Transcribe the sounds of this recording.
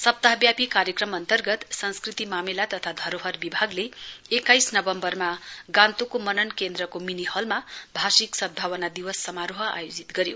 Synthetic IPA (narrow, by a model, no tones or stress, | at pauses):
sʌp̚t̪aɦʌbjapikaɾjʌkrʌmʌnt̪ʌrɡʌt̪sʌnskrit̪imamelat̪ʌt̪ʰad̪ʱʌɾoɦʌrbibʱaɡleekːajsnʌbʌmbʌrmaɡãnt̪okomʌnʌnkend̪rʌkominihʌlmabʱasiksʌd̪̚bʱawʌnad̪iwʌsːʌmaɾoɦʌa̰jod͡zit̪ɡʌɾjo